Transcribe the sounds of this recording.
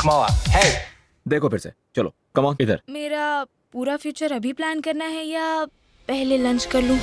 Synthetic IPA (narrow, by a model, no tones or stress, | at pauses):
maʋa̰hɛ | d̪eːkʰopʰɪɾsḛ | t͡ʃɐlo̰ | kɐmãːɪd̪ə̰ɾmeːɾa | puːɾafjuːt͡ʃəɾɐbʱiplæːnkɐɾnaɦɛjaː | pɛɦlelɐ̃ɲt͡ʃkɐɾlũː